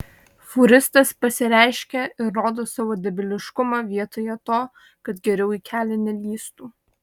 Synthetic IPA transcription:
fʊɾʲɪst̪ɐspɐsʲɪɾʲæˑɪʃʲkʲɛɪɾːoːd̪oːsɑːʋoːd̪ʲɛbʲɪlʲɪʃkʊmɑʋʲiɛt̪oːjɛt̪oː | kɐt̪ɡʲɛɾʲɛʊiːkʲʰæːlʲɛnʲɛlʲiːst̪uː

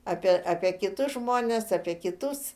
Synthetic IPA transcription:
ɐːpʲiɛʔaːpʲiɛkʲɪt̪ʊsʒmoːnʲɛsɐːpʲiɛkʲɪt̪ʊs

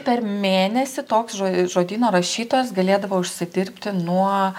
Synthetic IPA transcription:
pʲɛrmʲeːnʲɛsʲɪt̪oːksʒoʒoːd̪ʲiːnoːɾɐʃʲiːt̪oːjɛs̬ɡɐlʲeːd̪ɐʋoːʊʃʲsʲɪd̪ʲɪɾʲpʲt̪ʲɪnuɔ

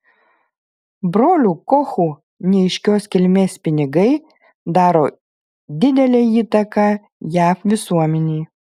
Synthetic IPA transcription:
bɾoːlʲuːkɔxuː | nʲɛɛɪʃʲkʲoːskʲɪlʲmʲeːspʲɪnʲɪɡɐɪ | d̪ɑːɾoː | d̪ʲɪd̪ʲɛlʲeːiːt̪ɐkɑː | jæːfʋʲɪsuɔmʲɛnʲɛː

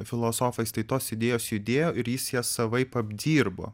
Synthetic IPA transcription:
fʲɪlˠoːsoːfɐɪst̪ɐɪt̪oːsɪd̪ʲeːjoːsjʊd̪ʲeːjoːʔɪɾjɪsjiɛsɐʋɐɪpɐbʲd̪ʲiːɾbo̰ː

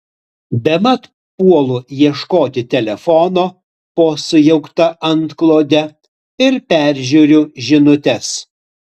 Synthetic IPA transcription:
bʲɛmɐt̪ | puɔlˠʊjiɛʃkoːt̪ʲɪt̪ʲɛlʲɛfɔnoː | poːsʊjɛʊkt̪ɐʔɐnt̪klˠoːd̪ʲɛ | ɪɾpʲæˑɾʲˑʒʲuɾʲʊʒʲɪnʊt̪ʲɛs

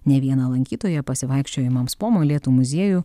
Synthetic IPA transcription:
nʲɛʋʲiɛnɐlˠɐŋʲkʲiːt̪oːjɛpɐsʲɪʋɐɪkʃʲt͡ʃʲoːjɪmɐmspoːmoːlʲiɛt̪uːmʊzʲiɛjuː

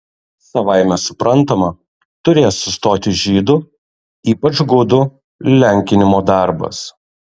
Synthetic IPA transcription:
sɐʋɑˑɪmʲɛsʊpɾʔɐnˑt̪ɐmɐ | t̪ʊɾʲeːsːʊst̪oːt̪ʲɪʒʲiːd̪ʊ | iːpɐt͡ʃɡʊd̪ʊ | lʲɛŋʲkʲɪnʲɪmoːd̪ɑˑɾbɐ̰s

